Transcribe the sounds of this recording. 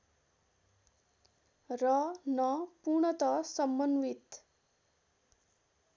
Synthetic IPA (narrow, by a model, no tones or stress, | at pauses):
rʌnʌpuɾɳʌt̪ʌsʌmbʌnʋit̪